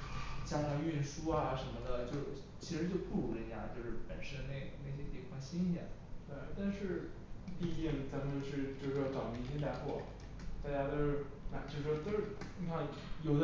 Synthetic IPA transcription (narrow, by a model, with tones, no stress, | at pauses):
t͡ɕja˥nɑ˧˩y˥˩nʂu˥a˨ʂə˧˥nmə˧d̪ə˨t͡ɕjo˥˧ʊʊ | t͡ɕʰi˧˥ʂɻ̩˧˥t͡ɕjo˥˧ʊpu˥˩ɻu˧˥lə˧˥˩nja̰˥˩t͡ɕjo˥˧ʊʂɻ̩˥˩pə˨˩nʂə˥nə˧ne˥˩ɪna˥˩ɪɕ̬jɛ˥t̪jɛ˨˩ŋfwɑ˥˩ŋɕi˥n˥˩jɛ̰˨˩˦nt̪we˥˩ɪt̪a˥˧nʂɻ̩˥˧pi˥˧i˥˩ŋt͡sa˧˥mə˨nt͡ɕjo˥˧ʊʂɻ̩˥˧t͡ɕjo˥˧ʊʂɻ̩˥˩wɔ˥˩ʈ͡ʂɑ˨˩ʊpi˧˥t͡ɕ̪jɛ˥n˥a˥˧ɪxwɔ˥˩ | t̪a˥˩t͡ɕja˥t̪o˥ʊʂɻ̩˥˧ | na˥˧˩t͡ɕo˥˧ʊʂɻ̩˥˩ʂwɔ˥t̪o˥ʂɻ̩˥˩ni˧˥kʰɑ˥˩ | jo˨˩ʊd̪